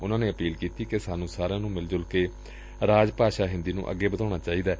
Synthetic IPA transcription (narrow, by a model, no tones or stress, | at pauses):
ʊnãːneːəpiːlkiːt̪iːkesaːnũːsaːɾãːnũːmɪld͡ʒʊlkeː | ɾaːd͡ʒpaːʃaːɦɪ̃nd̪iːnṵ̃ːʔə̰ɡːeːbəd̪aːñaːt͡ʃaːiːd̪aː